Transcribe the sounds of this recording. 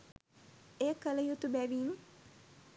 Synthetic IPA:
eəkələjut̪ubæʋiːmə

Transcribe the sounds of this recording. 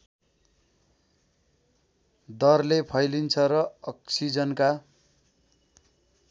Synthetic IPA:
d̪ʌrlepʰʌjlint͡sʰʌrʌʌksid͡zʌnka

